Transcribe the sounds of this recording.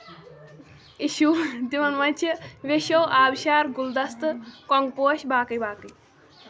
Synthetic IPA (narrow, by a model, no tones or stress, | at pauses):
iʃud̪imɐnmɐt͡ʃʰɐʋeʃowʔaːbʃaːɾɡuld̪ɐst̪ɨkɔŋɡpoːʃbaːkɐjbaːkɐj